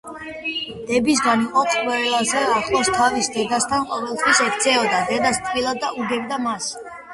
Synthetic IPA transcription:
d̪̥ɛbis̬ɡaniqʼɔt̪sʼqʼwɛlazɛaχlˠɔst̪ʰavisd̪ɛd̪ast̪ʰanqʼɔvɛlˠt̪ʰwisɛkt̪sʰɛɔd̪ad̪ɛd̪ast̪ʼqʼilˠad̪̚ːauɡɛbd̪amas

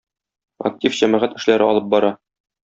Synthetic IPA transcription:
ɐ̰k̚tʲifʑæmæʁæt̪ɘ̆ʃlæɾɘɒlˠɤp̚bɒɾɑ

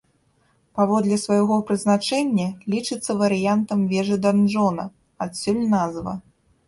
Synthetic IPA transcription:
pavɔd̪lʲɛsvajɣɔpɾɨznat͡ʂɛnʲːɐlʲit͡ʂɨt̪sːɐvɐɾɨjant̪ɐmvʲɛʐɨd̪anʐɔnɐ | at̪sʲulʲnazvɐ̰

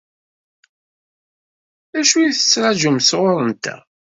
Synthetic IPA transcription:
æʃujiθə̥t͡sːɾaʒumsʁoɾˤənt̪æ̰

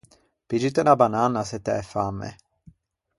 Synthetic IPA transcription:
pid͡ʒut̪ɛnabananːasɛt̪ɛʔɛfamɛ̰

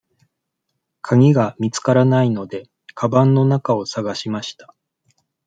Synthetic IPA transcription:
kʰaɡʲiɡamʲit͡sɨ̥kaɾanaino̞d̪e̞ | kʰabãnːo̞nakao̞saɡaɕimaɕi̥t̪ḁ

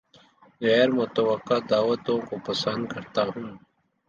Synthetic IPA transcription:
ɣɛːɾmʊt̪ɐwɐqːaːd̪aːwɐt̪õkopɐsə̃nd̪̚kɐɾt̪aɦũː

